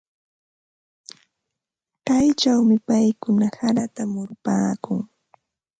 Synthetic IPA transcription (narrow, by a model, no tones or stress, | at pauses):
kajt͡ʃawmɪpajkʊnahaɾat̪amʊɾpaːkʊŋ